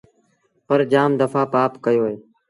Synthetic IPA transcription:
pəɾd͡ʒaːmd̪əfaːpaːpkəjoːeː

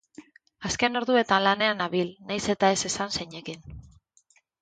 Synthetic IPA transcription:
aske̞no̞ɾðue̞t̪anlane̞anaβilnajse̞t̪ae̞se̞sanseɲe̞kin

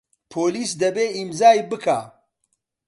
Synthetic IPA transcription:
pʰoːliːsd̪ɐbeːimzaːjbɨkʰaː

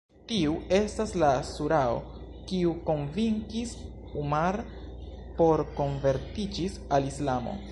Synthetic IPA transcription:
tiue̞staslasuɾao̞̰ | kiuko̞nviŋkis | umaɾ | po̞ɾko̞nve̞ɾtid͡ʒisalislamo̞̰

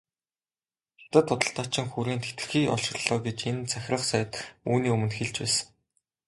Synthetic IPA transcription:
xḁt̪ə̆t̪ʰːʊt̪ə̆ɬt̪aːt͡ɕɪ̆ŋxuɾeːnt̪ʰe̥t̪ɘ̆xiːʔɔ̰ɮʃɪ̆rɮ̥ɔːɡet͡ɕent͡sʰæxʲɪ̆rə̆χsæj̆t̪uːniːɵmɘ̆nt̪xeɮt͡ɕpæːsə̆ŋ

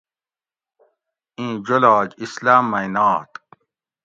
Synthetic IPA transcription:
ĩːd͡ʑolɑːd͡ʑislaːmːɐinaːt̪

